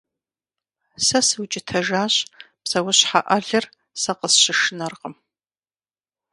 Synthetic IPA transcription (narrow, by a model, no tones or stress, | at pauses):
sɐsɨwt͡ʃʼɪtʰɐʒaːɕ | psɐwʊɕħa̰ʔɐɮɐr | sɐqəsɕɪʂɨnɐrqəm